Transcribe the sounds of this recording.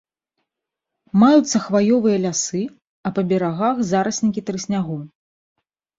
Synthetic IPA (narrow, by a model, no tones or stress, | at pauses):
majut̪sːɐxvajɔvɨjɐlʲasɨ | ɐpɐbʲɛɾaɣaxzaɾɐsʲnʲikʲit̪ɾɨsʲnʲaɣɔw